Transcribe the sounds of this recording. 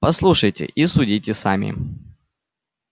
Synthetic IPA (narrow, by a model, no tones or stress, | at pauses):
pɐslˠuʂəjtʲɪ̰ʔisʊdʲitʲɪsa̰mʲɪ̰